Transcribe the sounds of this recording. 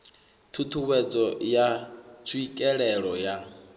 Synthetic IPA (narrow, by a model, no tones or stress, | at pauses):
t̪ʰut̪ʰuβɛd͡zɔjat͡sʰuikʼɛɺɛɺɔja